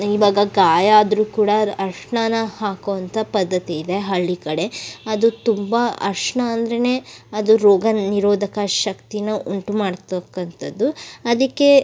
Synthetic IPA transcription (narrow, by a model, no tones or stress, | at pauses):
iʋaːɡɐɡaːjaːd̪ɐɾuːkuːɽɐɐɾʂɳanɐhaːkoːʋɐnt̪ʰɐpɐd̪ːɐt̪iːd̪e̞ɦɐɭːikɐɽe̞ɐd̪ut̪umbɐɐ̰ɾʂɳɐːnd̪ɐɾene̞ːɐd̪uɾoːɡɐniɾoːd̪ʱɐkɐʃɐkt̪inɐʔuɳʈumaːɽt̪ɐkːɐnt̪ɐd̪ːuɐd̪ɐkːe̞